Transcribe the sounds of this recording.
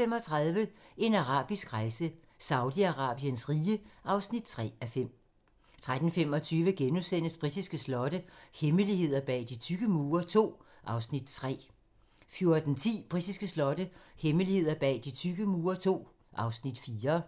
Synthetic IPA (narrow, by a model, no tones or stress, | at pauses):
em̰ɒ̽t͡sʰʁɑðˠʋəe̝nɑʁɑ̰̈ːb̥isɡ̥ʁɑ̈ɪsə | sɑ̈ʊdiɑʁɑ̈ːb̥iənsʁiːəʔɑ̈ʊsnid̥̚t͡sʰʁɛ̰ːæfem̰ | t͡sʰʁad̥n̩fem̰ɒ̽t͡sʰyːʋəɡ̥enusen̰əsb̥ʁid̥isɡ̥əslɒ̽ɾəheməlihe̝ð̞̰ˠɐb̥ɛ̰ːd̥it͡sʰyɡ̥əmuːɐt͡sʰo̝̰ː | ʔɑ̈ʊsnid̥t͡sʰʁɛ̰ː | fjo̝ɐd̥n̩t͡sʰḭːb̥ʁid̥isɡ̥əslɒ̽dəheməlie̝ð̞̰ˠɐb̥ɛ̰ːd̥it͡sʰyɡ̥əmuːɐt͡sʰo̝̰ː | ʔɑ̈ʊsnid̥fiːɐ